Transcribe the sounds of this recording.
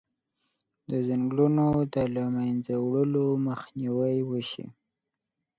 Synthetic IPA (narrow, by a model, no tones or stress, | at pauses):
d̪əzaŋɡlunod̪əlamajnzawɽəloməxniwəjwəʃḭ